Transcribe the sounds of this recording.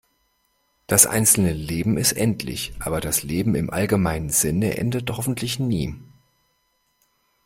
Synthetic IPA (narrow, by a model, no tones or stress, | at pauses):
d̥asʔa̰ɪnt͡sl̩nəleːbm̩ɪstʔɛntʰlɪ̰çʔaːbɐdasleːbm̩ɪmʔa̰lɡəmaɪnənzɪnəʔɛ̰ndəthɔfn̩tʰlɪçniː